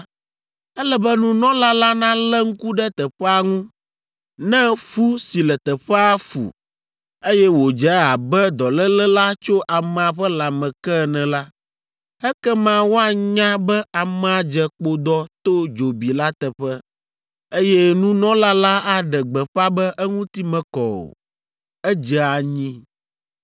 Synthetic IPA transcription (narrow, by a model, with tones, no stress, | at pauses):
ɛ˦lɛ˦bɛ˦nũ˦nɔ̃˦la˦la˦nã˦lɛ˦ŋ̩˦ku˦ɖɛ˦t̪ɛ˨ɸɛ˦a˦ŋũ˦ | nɛ̃˦fu˦si˨lɛ˨t̪ɛ˨ɸɛ˦a˦fṵ˨ | e˦jɛ˦wo˨d͡ʒɛ˦a˨bɛ˦d̪ɔ˨lɛ˦lɛ˦la˦t͡ʃo˦ʔa˨mɛ̃˨a˨ɸɛ˦la˨mɛ̃˨kɛ˦˨nɛ̃˨la˦ | ɛ˦kɛ˦mã˦wo˦a˨ɲã˦bɛ˦a˨mɛ̃˨a˨d͡ʒɛ˨k͡po˦d̪ɔ˦t̪o˦d͡ʒo˨bi˨la˦t̪ɛ˨ɸɛ˦ | e˦jɛ˦nũ˦nɔ̃˦la˦la˦a˦ɖɛ˨ɡ͡bɛ˨ɸa˦bɛ˦ʔɛ˦ŋũ˦t̪i˦mɛ̃˨kɔ˨o̰˨ | ɛ˦d͡ʒɛ˨a˨ɲĩ˦